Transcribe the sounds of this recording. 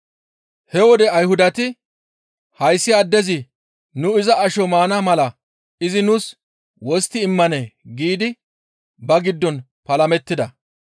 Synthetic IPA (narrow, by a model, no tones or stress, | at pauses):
hɛwɔd̪ɛɐjhʊd̪ɐt̪ɪ | hɐjsːɪɐd̪ːɛzɪ | nʊɪzɐɐʃɔmaːnɐmɐlɐ | ɪzɪnʊs | wɔst̪ːɪːmːɐnɛɡiːd̪ɪ | bɐɡɪd̪ːɔn | pɐlɐmɛt̪ːɪd̪ɐ